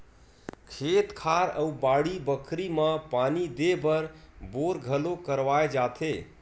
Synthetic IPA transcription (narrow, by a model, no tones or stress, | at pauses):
kʰet̪kʰaɾəubaɽibəkʰɾiməpanid̪ebəɾboɾɡʱəlokəɾʋaed͡ʒat̪ʰe